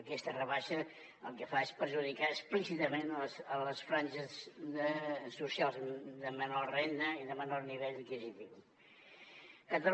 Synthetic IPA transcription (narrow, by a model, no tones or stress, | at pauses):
kɛst̪ərəβaʃə | əlˠkəfaespəɾʒuðikaəsplisit̪əmenlsələsfɾanʒəsəsːusialˠzðəmənɔrrejnəiðəmənɔrniβeʎikizit̪iu | ət̪ɾə